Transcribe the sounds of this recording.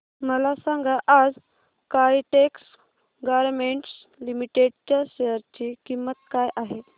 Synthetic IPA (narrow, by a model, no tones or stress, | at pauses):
məlasãŋɡaʔad͡z | kajiʈeks | ɡaʋɾmeɳʈs | limiʈeɖt͡ɕaɕejəɾt͡ɕikimːət̪kajʔaɦe